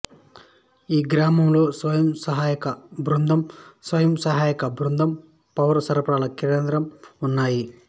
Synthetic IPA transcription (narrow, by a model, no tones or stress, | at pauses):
iːɡɾaːmɐmlusʋɐjɐmsɐɦaːjɐkɐbʱɾund̪ʱɐmsʋɐjɐmsɐɦaːjɐkɐbɾund̪ʱɐm | pɐʋɐɾsɐɾɐpɾaːɭɐkiɾɐnd̪ɾɐmunːaːji